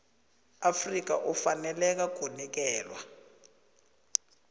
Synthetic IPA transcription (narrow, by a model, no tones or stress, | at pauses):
afrik̬aʔufanɛlɛk̬aɡ̥ʱonik̬ɛːlwa